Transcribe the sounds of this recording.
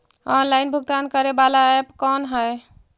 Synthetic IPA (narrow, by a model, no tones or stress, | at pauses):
ɔnlajnbʱuɡt̪ankəɾebalaɛpkɔnɦəj